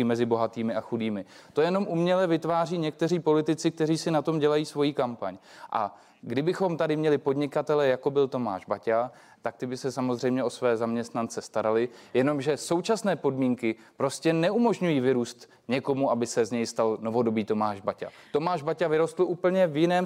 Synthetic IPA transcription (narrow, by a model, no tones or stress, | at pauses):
ɪmɛzɪbo̞ɦat̪iːmɪaxudiːmɪt̪o̞jɛno̞mʔumɲɛlɛvɪt̪vaːriːɲɛk̚t̪ɛriːpo̞lɪt̪ɪt͡sɪk̚t̪ɛriːsɪnat̪o̞mɟɛlajiːsvo̞jiːkampaɲʔa̰ | ɡdɪbɪxo̞mt̪adɪmɲɛlɪpo̞dɲɪkat̪ɛlɛjako̞bɪlt̪o̞ma̰ːʒbaca | t̪ak̚t̪ɪbɪsɛsamozr̝ɛjmɲɛo̞svɛːzamɲɛst̪nant͡sɛst̪aɾalɪjɛno̞mʒɛso̞wt͡ʃasnɛːpo̞dmiːŋkɪ | pɾo̞scɛnɛumo̞ʒɲujiːvɪɾuːst̪ | ɲɛko̞muʔabɪsɛzɲɛjst̪alno̞vo̞do̞biːt̪o̞maːʒbaca̰t̪o̞maːʒbacavɪɾo̞st̪l̩ʔuːpl̩ɲɛvjɪnɛːm